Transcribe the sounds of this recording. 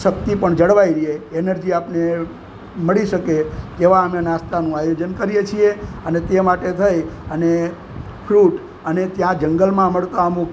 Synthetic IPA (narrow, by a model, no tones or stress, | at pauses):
ʃək̚t̪ipəɳd͡ʒəɽʋaiɾieːnəɾd͡ʒiapne | məɭiʃəket̪eʋaəmenast̪anũajod͡ʒənkəɾjet͡ʃʰieənet̪emaʈet̪ʰəjəne | fʰɾuʈ | ənet̪jãd͡ʒəŋɡəlmãməɭt̪amũk